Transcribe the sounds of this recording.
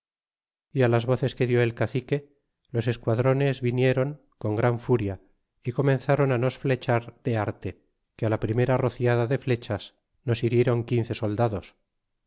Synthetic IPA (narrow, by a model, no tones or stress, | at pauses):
ialazβo̞θe̞ske̞ðjo̞e̞lkaθike̞ | lo̞se̞skwaðɾo̞ne̞zβinje̞ɾo̞ŋ | ko̞ŋɡɾaɱfuɾja | iko̞mẽ̞nθaɾo̞nano̞sfle̞t͡ʃaɾðe̞aɾt̪e̞ | kealapɾime̞ɾaro̞θjaðaðe̞fle̞t͡ʃas | no̞siɾje̞ɾo̞ŋkin̟θe̞so̞ld̪aðo̞s